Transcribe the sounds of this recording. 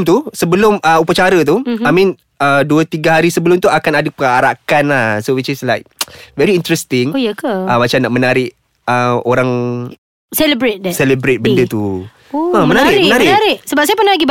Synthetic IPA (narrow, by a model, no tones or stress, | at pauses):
mt̪usəbəlʊməupət͡ʃaɾət̪̬uamĩn | əduət̪iɡaɦaɾisəbəlʊmt̪uakanadəpəaɾakanahsowit͡ʃɪslajk̚vɛɾiint̪ɾɛst̪ɪŋjkəəmat͡ʃamnaʔmənaɾɪʔ | əoɾaŋ | sɛləbɾet̚dɛsɛləbɾet̪̚bəndət̪u | oəmənaɾɪʔmənaɾɪaɾɪʔsəbap̚sajapənalaɡib